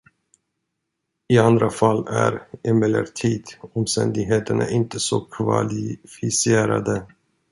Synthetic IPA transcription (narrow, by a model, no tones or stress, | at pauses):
ɪand̪ɾafalːæɾɛmɛlːəɾt̪ʰiːd̪ɔmst̪ɛnd̪ɪɡɦeːt̪əɳa̰ʔɪnt̪əsokʰvalɪfɪseːɾa̰d̪ə